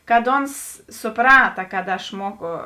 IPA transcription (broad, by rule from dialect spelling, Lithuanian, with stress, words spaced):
kɐt ˈoːns sʊˈprɑːtɐ kɐt ɐʃ ˈmuɔkʊ